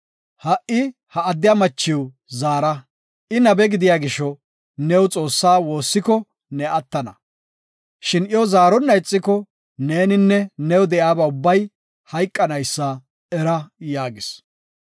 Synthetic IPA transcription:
hɐʔɪ | hɐɐd̪ːɪjamɐt͡ʃːɪw | zaːɾɐ | ʔɪnɐbɛɡɪd̪ɪjaːɡɪʃɔ | nɛwt͡sʼo̞ːsːaːwo̞ːsːɪkɔ | nɛʔɐt̪ːɐnɐ̰ | ʃɪnjɔzaːɾɔnːɐɪt͡sʼːɪkɔ | ne̞ːnɪnːɛnɛwd̪ɛʔjaːbɐʊbːɐj | hɐjkʼːɐnɐjsːa | ɛɾɐjaːɡɪs

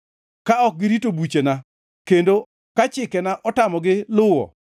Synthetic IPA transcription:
kaɔk̚ɡɪɾitobut͡ʃena | kendo | kat͡ʃɪkɛnaʔɔtamɔɡɪlʊwɔ̰

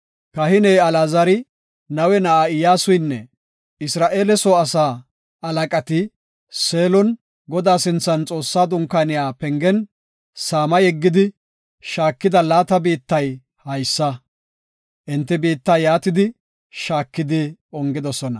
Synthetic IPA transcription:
kɐhɪnɛjɐlaːzɐɾɪ | nɐwɛnɐʔaɪjaːsʊjnːɛ | ɪsɾaːʔe̞ːlɛsɔɐsaː | ɐlɐkʼɐt̪ɪ | se̞ːlɔn | ɡɔd̪aːsɪnt͡sːɐnt͡sʼo̞ːsːaːd̪ʊŋkːaːnɪjaːpɛŋɡɛn | saːmɐjɛɡːɪd̪ɪ | ʃaːkːɪd̪ɐlaːt̪ɐbiːt̪ːɐj | hɐjsːɐ | ʔɪnt̪ːɪbiːt̪ːɐjaːt̪ɪd̪ɪ | ʃaːkːɪd̪ɪɔŋɡɪd̪ɔsɔnɐ̰

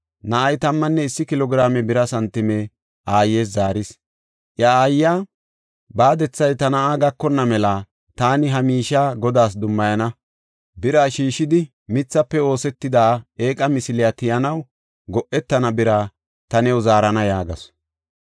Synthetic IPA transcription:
nɐʔːjt̪ɐmːɐnːɛɪsːɪkɪlɔɡɪɾaːmɛbɪɾɐsɐnt̪ːɪmɛ | ʔaːjːe̞ːs̬zaːɾɪs | ʔjɐaːjːaː | baːd̪ɛt͡sːɐjt̪ɐnɐaːɡɐkːɔnːɐmɛlɐ | t̪aːnɪɦɐmiːʃaːɡɔd̪aːs̬d̪ʊmːɐjɐnɐ | bɪɾaːʃiːʃɪd̪ɪ | mɪt͡sːɐpːɛo̞ːsɛt̪ːɪd̪aːe̞ːkʼɐmɪsɪlɪjat̪ɪjɐnɐw | ɡɔʔɛt̪ːɐnɐbɪɾa | t̪ɐnɛwzaːɾɐnɐjaːɡɐ̰s

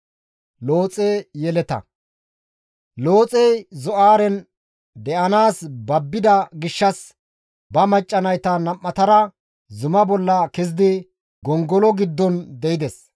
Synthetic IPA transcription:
lo̞ːt͡sʼɛjɛlɛt̪ɐ̰ | loːt͡sʼɛjzɔʔaːɾɛn | d̪ɛʔɐnaːsbɐbːɪd̪ɐɡɪʃːɐs | bɐmɐt͡ʃʼːɐnɐjt̪ɐnɐmːɐt̪ɐɾɐ | zʊmɐbɔlːɐkɛzɪd̪ɪ | ɡɔŋɡɔlɔɡɪd̪ːɔnd̪ɛjɪd̪ɛs

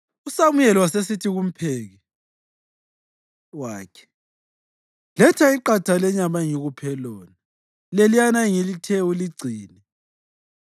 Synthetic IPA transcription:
usamujɛlwasesitʰiɣum̩pʰeːɣɛ | waːkʰɛ̥ | lɛtʰaiǃatʰalɛɲamaŋiɣupʰɛlɔːna | lelijanaiŋilitʰɛuliɡ͡ǀʱiːnɛ

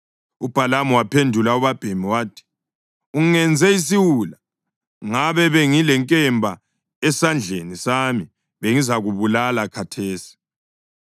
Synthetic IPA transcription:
ub̥ʱalamɔwapʰendʱulauβab̥ʱemiwaːtʰi̥ | uŋŋɛnd͡zʱɛis̬iwula | ŋaβɛβɛŋilɛŋkʼɛmbʱa | ɛsand͡ɮʱenisaːmi | βeŋizaɣuβulalakʰatʰeːsi̥

